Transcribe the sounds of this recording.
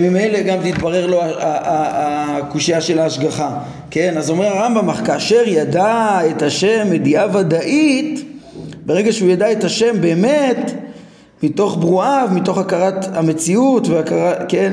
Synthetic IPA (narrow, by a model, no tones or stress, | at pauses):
mime̞jle̞ɡamzit̪baʁe̞ʁlo̞aaaːkuʃijaʃe̞laːʃɡaχa | ke̞nazomiaʁambamaχkaːʃe̞ʁjadae̞thaʃe̞mːediavad̪aʔit̪ | beʁeɡaʃeujadae̞taʃe̞mbe̞ːme̞t̪ | mito̞χbʁuavmito̞χakaʁatame̞t͡siutveakaʁaken